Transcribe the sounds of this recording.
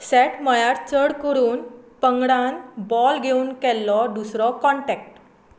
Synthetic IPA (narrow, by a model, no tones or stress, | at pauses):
sɛʈməjaɾt͡səɽkəɾuːnpəŋɡɽãnbɔlɡʱeuːnkɛlːɔd̪usɾɔkɔɳʈɛk̚ʈ